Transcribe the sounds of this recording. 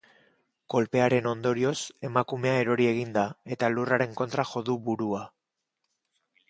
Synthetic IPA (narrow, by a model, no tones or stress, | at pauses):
ko̞lpe̞aɾe̞no̞nd̪o̞ɾio̞se̞makume̞ae̞ɾo̞ɾie̞ɣ̞ind̪ae̞t̪aluraɾe̞ŋko̞nt̪ɾaxo̞ðuβuɾua